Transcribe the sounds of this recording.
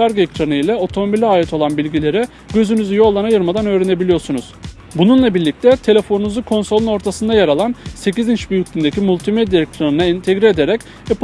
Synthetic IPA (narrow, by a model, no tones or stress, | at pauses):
aɾɡecɾanɯjlʲɛo̞t̪ʰo̞mo̞bilʲiaːjɛt̪ʰo̞lˠanbilʲɟilʲe̞ɾɛ | ɟ̥ø̞zynyzyjo̞lˠːanajɯɾmad̪anø̞ːɾene̞bilʲijo̞ɾsunuz̥ | bununlˠabiɾlʲic̚t̪ʰɛt̪ʰe̞lʲe̞fo̞nunuzukʰo̞nso̞lˠuno̞ɾt̪ʰasɯnd̪ajaɾalˠanse̞cizint͡ʃbyjycʲlʲynd̪e̞cʰimulʲt̪ʰimed̪jaecɾanɯnaint̪ʰe̞ɡɾie̞d̪e̞ɾɛc | ɛp